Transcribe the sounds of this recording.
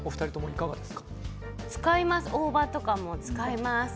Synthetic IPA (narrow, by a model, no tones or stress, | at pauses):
o̞ɸɯ̟̥aɾit̪o̞mo̞ikaɡa̰d̪e̞sɨ̥kḁ | t͡sɨ̥kaimasɨʔo̞ːbat̪o̞kamo̞t͡sɨ̥kaimasɨ̥